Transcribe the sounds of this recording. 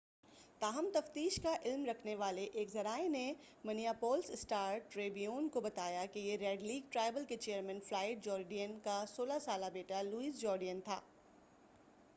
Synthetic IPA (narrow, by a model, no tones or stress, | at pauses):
t̪aːɦəmt̪ɐft̪iːʃkaʔɪlmɾɐkʰneʋaːleʔeːkzɐɾaːene | mɐnijapɔːlsɪsʈaːɾʈɾeːbijoːnkobɐt̪aːjakejeɾɛːɖliːɡ̚ʈɾaːɪbəlket͡ʃeːəɾmɛ̃nflaːɪʈ̚d͡ʒɔːɾɖijənkasoːlasaːlabeːʈaluiːzd͡ʒɔːɾɖijənt̪ʰa̰ː